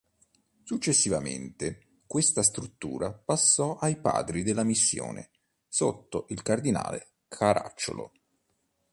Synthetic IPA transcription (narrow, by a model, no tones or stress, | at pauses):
sut͡ʃːesːivamḛnt̪e | kwest̪ast̪ɾut̪ːṵːɾapasːɔʔajpa̰ːd̪ɾid̪elːamisːjo̰ːnʔḛ | sot̪ːoʔilkard̪ina̰ːle | kʰaɾa̰t͡ʃːo̰lo̰